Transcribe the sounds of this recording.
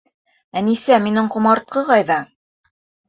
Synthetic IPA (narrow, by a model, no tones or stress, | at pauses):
ænisæminɘɴqŭmɑɾt̪̚qɤqɑjðɑ